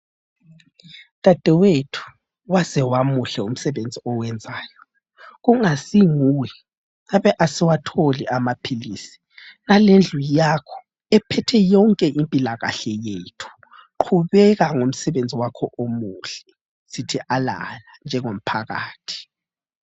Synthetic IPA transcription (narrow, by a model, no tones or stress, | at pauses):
tʼad̥ʱɛwetʰu̥ | wazɛwamuɬɛum̩sɛβend͡zʱiɔwɛnd͡zʱaːjɔ | ɣuŋasiŋuwɛ | ŋaβɛʔasiwatʰoliʔamapʰilisi̥ | nalend͡ɮʱujakʰɔ̥ | ɛpʰɛtʰɛjɔŋkʼɛʔimpʼilaɣa̰ɬɛjetʰu̥ | ǃʰuβɛɣaŋom̩sɛβend͡zʱiwakʰɔʔomuɬɛ | sitʰiʔala̰land͡ʒʱɛŋom̩pʰaɣa̰ːtʰi̥